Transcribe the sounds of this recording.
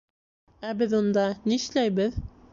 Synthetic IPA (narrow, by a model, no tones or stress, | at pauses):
æbɘðund̪ɑniʃlæjβɘð